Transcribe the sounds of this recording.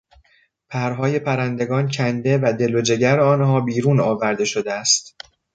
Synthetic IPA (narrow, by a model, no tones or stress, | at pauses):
pʰæɾɦɒːje̞pʰæɾænd̪e̞ɡɒːncʰænd̪e̞væd̪e̞lod͡ʒe̞ɟæɾeɒːnhɒːbiːɾuːnɒːvæɾd̪e̞ʃo̞d̪eæst̪